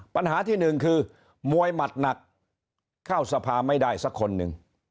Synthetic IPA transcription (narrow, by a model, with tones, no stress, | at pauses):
pa˧nɦaː˩˦t̪ʰiː˥˩nɯ˨˩ŋkʰɯː˧ | mu˧əjma˨˩t̪̚na˨˩k̚ | kʰːaː˥˩wsa˧pʰaː˧ma˥˩jdaː˥˩jsa˦˥kʰːo˧nːɯ̰˨˩ŋ